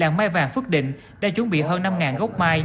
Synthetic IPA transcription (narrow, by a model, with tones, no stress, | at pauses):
laː˨˩ŋmaː˧jvaː˨˩ŋfɨ˦˥ək̚ɗḭ̈˧˨ŋ̟ | ɗa̰ː˧˥t͡ɕʊ˨˦ŋ͡mɓḭ˧˨ɦəː˧nːa˧mŋaː˨˩nɣə˦˥k͡p̚maː˧j